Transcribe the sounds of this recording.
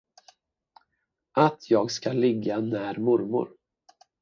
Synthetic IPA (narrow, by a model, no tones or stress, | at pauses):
ʔat̪ʰjɑːɡskalɪɡːanæːɾmʊɾmʊ̰ɾ